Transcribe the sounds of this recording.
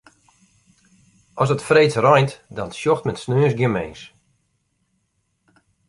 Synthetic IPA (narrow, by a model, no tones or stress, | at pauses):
ʔɔsɔtfreːt͡srɔjntdɔnsjɔxtmɛtsnøːsɡjɪmejns